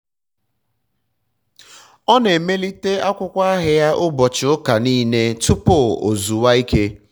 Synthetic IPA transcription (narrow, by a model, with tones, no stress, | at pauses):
ɔ˦ne˨me˦li˦te˦a˦kʷʊ˦kʷa˦a˦ɦɪ˦ja˦ʔʊ˦bɔ˨t͡ʃɪ˨ʊ˦ka˨niː˦ne˦tʊ˦po˦˨o̰˨zu˨wa˦i˦ke˦